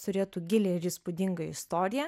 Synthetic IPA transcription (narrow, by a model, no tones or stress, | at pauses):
t̪ʊɾʲeːt̪uːɡʲɪlʲeɪɾʲispʊd̪ʲɪŋɡɐɪ̰st̪oːɾʲɪjɛ